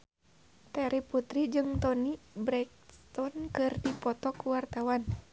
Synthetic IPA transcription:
t̪ɛɾiput̪ɾid͡ʒɨŋt̪ɔnibɾɛk̚st̪ɔnkɨrdipɔt̪ɔkuwart̪awan

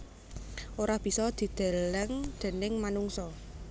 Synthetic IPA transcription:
ʔoɾab̥i̤sɔd̪̥i̤d̪̥ɛ̤lɛŋd̪̥e̤nɪŋmanuŋsɔ

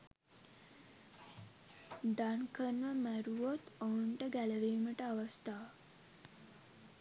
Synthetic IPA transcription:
ɖankənʋəmæɾuʋot̪ouɳʈəɡælɐʋeːməʈəaʋɐst̪aː

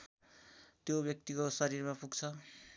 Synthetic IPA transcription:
t̪jobjʌk̚t̪ikosʌɾirmapuɡt͡sʰʌ

